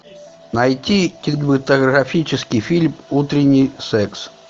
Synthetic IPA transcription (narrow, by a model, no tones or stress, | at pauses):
nɐjtʲikʲɪd̪ʲbɨt̪əɣɾɐfʲit͡ɕɪskʲɪjfʲilʲmut̪ɾʲɪnʲːijsɛks